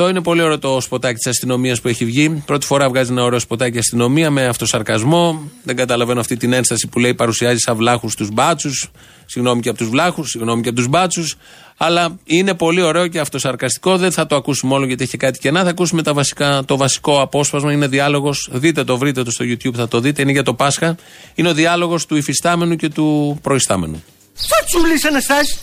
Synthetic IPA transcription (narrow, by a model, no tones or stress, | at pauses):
ðo̞ine̞po̞lio̞ɾe̞ot̪o̞spo̞t̪ɐcit̪isɐst̪ino̞miɐspue̞çivʝipɾo̞t̪i̥fo̞ɾɐvɣɐzienɐo̞ɾe̞o̞spo̞t̪ɐciɐst̪ino̞miɐme̞ɐft̪o̞sɐɾkɐzmo̞ðe̞ŋɡɐt̪ɐlɐve̞noɐft̪it̪ine̞nst̪ɐsipule̞ipɐɾusiɐzisɐvlɐxust̪uzbɐt͡susː | iɣno̞miceɐpot̪uzvlɐxusːiɣno̞miceɐpot̪uzbɐt͡sus | ɐlɐine̞po̞lio̞ɾe̞o̞ce̞ɐft̪o̞sɐɾkɐst̪i̥ko̞ðenθɐt̪o̞ɐkusumeo̞loʝɐt̪içekɐt̪i̥ce̞nɐθɐːkusumet̪ɐvɐsi̥kɐt̪o̞vɐsi̥ko̞ɐpo̞spɐzmɐineðiɐlo̞ɣo̞sðit̪̬et̪o̞vɾit̪e̞t̪ost̪o̞ʝut̪çubθɐt̪o̞ðit̪e̞ine̞ʝɐt̪o̞pɐsxɐ | ineo̞ðiɐlo̞ɣo̞st̪uifist̪ɐme̞nuce̞t̪upɾo̞ist̪ɐme̞̰nu | sɐt͡sulisenɐsɐs